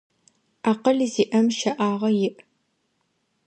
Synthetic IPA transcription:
aːqɐɮiziːʔɐmʃɐʔaːʁɐjɪʔ

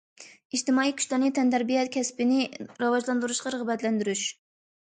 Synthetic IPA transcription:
iʃt̪ɪmɑːijkʲʰy̥ʃʲlɑɾnɨt̪ʰɛnd̪æɾbijɛt̪̚kʲʰɛspɪnɪɾɑwɑʒlˠɑnd̪uɾuʃqɑɾəʁəbɛt̪lɛnd̪yɾyʃ

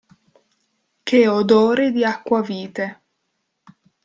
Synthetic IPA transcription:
keod̪oːɾed̪iakːwaviːt̪e

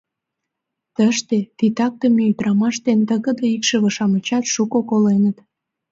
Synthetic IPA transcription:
t̪əʃt̪et̪it̪ɑk̚t̪əmiyd̪rɑmɑʃt̪ent̪əɣə̆d̪əikʃə̆βə̆ʃɑmə̆t͡ɕɑt̪ʃukokolenət̪

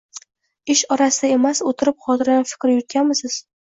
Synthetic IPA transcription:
ɪʃɒɾasɪd̪ae̞masot̪ʰɪɾɪp̚χɒt̪ʰɪɾanfɪ̥kʲɾjʊt̪̚kʲanmɪsɪz̥

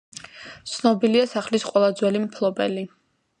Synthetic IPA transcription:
t̪sʰnɔbiliasaχlisqʼwɛlˠad̪zwɛlimpʰlˠɔbɛli

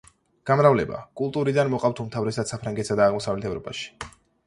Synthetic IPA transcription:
ɡ̥amɾavlɛba̰kʼulˠt̪ʼuɾid̪anmɔqʼavt̪ʰumt̪ʰavɾɛsad̪̥sapʰɾaŋɡɛt̪sad̪aːʁmɔsavlɛt̪ʰɛvɾɔpʼa̰ʃi̥

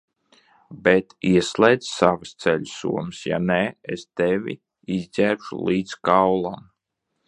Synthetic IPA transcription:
bɛt̪iɛslɛjd̪savɨst̪sɛʎʲsṵɔmɨsja̰neest̪evʲḭ | izʲzʲæɾʃṵlˠiːd̪skawlˠam

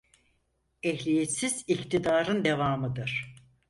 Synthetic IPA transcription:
ɛɦlʲijet̪sizict̪ʰid̪aːɾɯnd̪e̞vaːmɯd̪ɯɾ̥

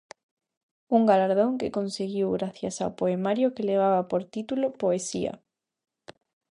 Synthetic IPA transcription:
uŋɡalaɾð̞oŋkekonseɣiwɣɾaθjasa̰wpoemaɾjokeleβ̞aβapoɾt̪it̪ulopoesia̰

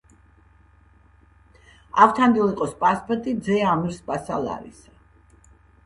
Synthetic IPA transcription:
aft̪ʰand̪ilˠiqʼɔspʼaspʼɔɾt̪ʼid̪zɛamɾspʼasa̰la̰ɾḭsa

